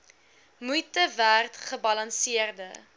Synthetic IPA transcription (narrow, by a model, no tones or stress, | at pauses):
mujtəværtχəbɐlɐnsiərdə